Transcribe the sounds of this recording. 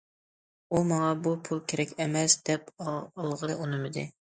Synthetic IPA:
umɑŋɑbupʰulˠkʲʰeɾɛkʲɛmɛsd̪ɛpɑlˠʁəlɨʔunɨmɨd̪ɪ̰

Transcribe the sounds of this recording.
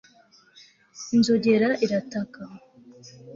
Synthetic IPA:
inzo̞ɟe̞ɾaʔiɾataka

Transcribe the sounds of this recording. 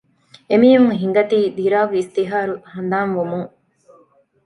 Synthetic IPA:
emiːʋuŋɦiŋ̆ɡɐt̪iːd̪iɾaːɡeist̪iɦaːɾuhɐnd̪aːnʋumuŋ

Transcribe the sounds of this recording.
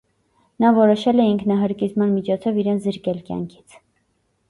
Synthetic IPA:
nɑvɔɾɔʃɛlɛiŋkʰnɑɦəɾkit͡smɑnmit͡ʃʰɔt͡sʰɔviɾɛnt͡sʰzəɾkɛlkjɑ̰ŋkʰi̥t͡sʰ

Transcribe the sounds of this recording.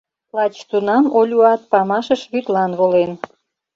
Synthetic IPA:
lɑt͡ɕt̪unɑmolʲuɑt̪̚pɑmɑʃəʃβyt̪lɑnβolen

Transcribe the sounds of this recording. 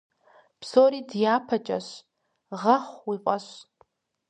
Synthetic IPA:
pʰsoɾidjaːpʰɐt͡ʃʼa̰ʃʷ | ʁɐχʷwiqʷʼaʃʷ

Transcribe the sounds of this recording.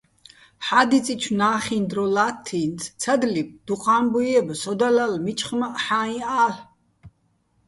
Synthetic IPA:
ħad̪it͡sʼit͡ʃʰnaːχind̪ɾɔlat̪ʰːinsʰt͡sʰad̪lib̚d̪̥uqʼaːmbujɛbsɔd̪alalmit͡ʃʰʼχmaʔħaːĩaːl

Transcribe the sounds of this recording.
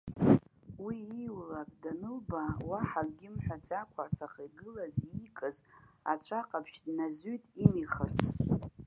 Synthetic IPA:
wiiwlakʼdanɨlbawaħakʼɡʲɪmħʷᶣad͡zʼakʷʰaʕt͡sʰaχaɡɨlazikʼɨza̰t͡ʃʷʰaqʼapʰʃdnazytʼimiχərt͡sʰ

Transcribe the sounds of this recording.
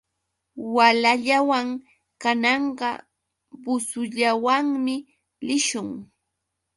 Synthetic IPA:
walaʎawaŋ | kanɑɴɢɑ̰ | bʊsʊʎawaŋmɪ | lɪʃʊŋ

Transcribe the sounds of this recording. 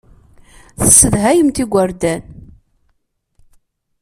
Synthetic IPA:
θəsːəðɦæjəmt̪iɡʷːəɾd̪æn

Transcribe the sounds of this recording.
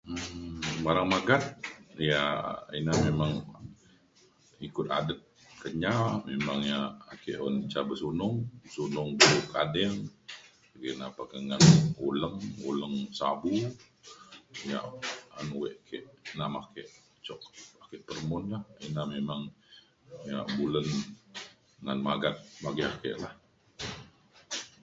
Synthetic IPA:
əbaɾaŋmaɡat̪̚jainamemaŋ | ikʊt̪a̰dət̪̚ | kəɲamemaŋjaːkɛʔɔnt͡ʃabəsunʊŋsunʊŋbulukadɛŋ | kəkənapakəŋanuləŋṵləŋsabu | ja̰ʔanwɛʔkʰɛʔnamakɛʔ | t͡ʃɔkakɛʔpərmʊnlahinamemaŋ | jaʔbulən | ŋanmaɡat̪̚maɡiakḛʔlah

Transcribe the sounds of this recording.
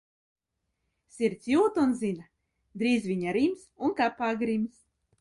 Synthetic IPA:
sʲiɾt̪sʲjuːt̪unzʲina | d̪ɾiːzvʲiɲaɾimsunkapːaːɡɾims

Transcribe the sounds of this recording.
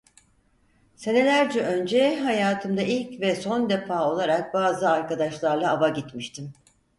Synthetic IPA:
se̞ne̞lʲæɾd͡ʒɛʔø̞nd͡ʒɛɦajaːt̪ʰɯmd̪ailʲcvɛso̞nd̪e̞faːo̞lˠaɾak̚baːzɯaɾkad̪aʃlˠaɾlˠaːvaɟit̪miʃt̪ʰim

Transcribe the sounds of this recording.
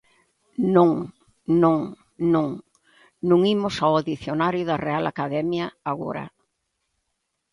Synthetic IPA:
nõŋ | nõŋ | nõŋ | nõŋimʊsawaðiθjonaɾjʊðɐrealʔa̰kaðɛmjɐaɣo̰ɾɐ̰

